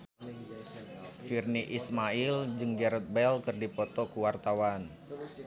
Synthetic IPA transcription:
firniʔismaɪld͡ʒɨŋɡɛɾət̪̚bɛlkɨrdipɔt̪ɔkuwart̪awan

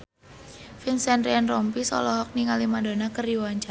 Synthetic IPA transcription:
finsɛnɾiɛnrɔmpisɔlɔɦɔk̚niŋalimadonakəriwaɲt͡ʃa

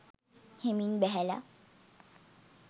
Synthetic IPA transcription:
heminbɛɦɛla̰

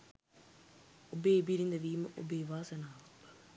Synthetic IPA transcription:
obeːibiɾind̪əʋiːməʔo̰beːʋaːsənaː

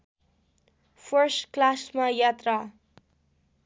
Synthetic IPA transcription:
pʰʌrsʈklasmajat̪ra

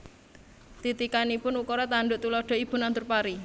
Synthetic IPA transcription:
t̪it̪ikanipʊnukɔɾɔt̪aɳɖʊʔt̪ulɔɖ̥ɔ̤ib̥ʊ̤nant̪ʊrpaɾi

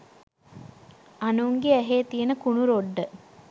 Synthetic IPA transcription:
anuŋɡeæɦeːt̪ijenəkunuɾoɖːə

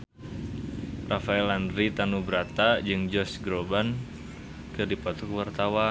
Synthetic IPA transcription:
rʔafaɛlandɾit̪anubəɾat̪ad͡ʒɨŋd͡ʒɔsɡɾoban | kɨdipat̪ɔkwart̪awa

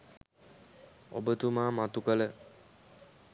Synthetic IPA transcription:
o̰bət̪umaːmat̪ukələ

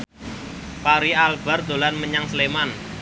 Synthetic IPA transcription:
paɾialb̥a̤rd̪̥o̤lanməɲaŋsleman

